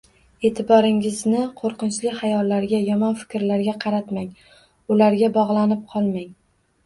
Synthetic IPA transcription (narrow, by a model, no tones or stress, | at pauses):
e̞ːt̪ʰɪbɒɾɪŋɪznɪqʰoɾqɨnt͡ʃlɪkʲhajɒlːaɾɡʲajɒmɒnfɪ̥kʲɾlaɾɡʲaqʰɑɾat̪maŋ | ʊlaɾɡʲabɒʁlˠanɪp̚qʰɒlˠmaŋ